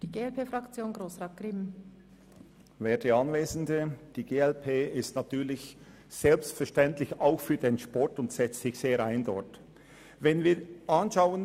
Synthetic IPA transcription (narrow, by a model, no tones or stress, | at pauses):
d̥iːɡeːɛlpʰeːfʁɑkt͡sjoːnɡʁoːsʁɑːt̚ɡ̥ʁɪm | vɛːdeɑnveːzn̩dəd̥iːɡeːɛlpʰeːɪstnatyːɐlɪç | z̥ɛlpstfɛɐʃtɛntlɪçaʊxfyːɐdeːnʃpɔɹtʊntsɛt͡stsɪçseːɾaɪndɔt | vɛnviːɾʔɑnʃaʊən